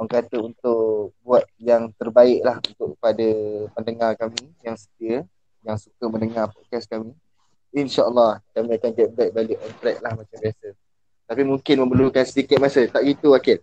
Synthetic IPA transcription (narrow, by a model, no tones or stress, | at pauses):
ɔŋkat̪əunt̪ʊʔbuat̪̚jaŋt̪ərbaɪʔlahunt̪ʊʔkːəpadapəndəŋarkamijaŋsə̥t̪iə | jaŋsukəməndəŋarpɔt̪̚kaskamĩ | inʃaʔəlːɑhkamĩakanɡɛt̪̚bɛt̪̚baliʔɔnt̪ɾɛk̚lahmat͡ʃambiasə | t̪apimuŋkɪnmə̃mbəlukansədikɪt̪̚masət̪aʔɡit̪uakɪt̚